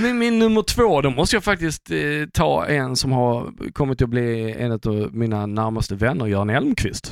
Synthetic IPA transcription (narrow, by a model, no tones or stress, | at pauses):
mɛnmɪnːɵmːəʈʰv̥oːd̪ɔmɔst̪əjafak̚t̪ɪst̪t̪ʰːɑ̰ːɛnsɔmhaɾkʰɔmːɪt̪ʰːɪlɔbliɛ̰nɵt̪ɔminanæɾmast̪əvɛnːəɾjœːɾanhɛlmkʰvɪst̪